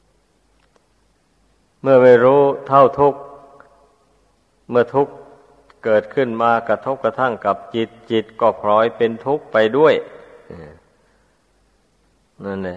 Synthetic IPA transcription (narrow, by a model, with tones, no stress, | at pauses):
mɯ˥˩ɐma˧˩jɾuː˦˥t̪ʰa˧˥˩wt̪ʰu˦˥˩k̚ | mɯ˥˩ɐt̪ʰu˦˥k | kɤː˨˩t̪̚kʰɯ˧˥˩nmaː˧kɾa˧t̪ʰo˦˥p̚ka˧t̪ʰa˥˩˨ŋka˨˩p̚t͡ɕi˨˩t̪̚t͡ɕi˨˩t̪̚kɔː˧˩pʰɾɔː˧˥jpe˧nt̪ʰu˦˥k̚pa˧jdu˥˩əjʔɯː˧˩ | na˧˩nlɛ˧˩